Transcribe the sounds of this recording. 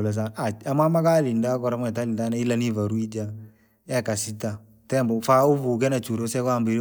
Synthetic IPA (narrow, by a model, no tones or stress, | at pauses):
las̬aaamamakalindakɔɾamɛtalindanailanivaɾuid͡ʒa | ɛkasita | tɛmbɔfauvukɛnat͡ʃuɾosɛkambiɾ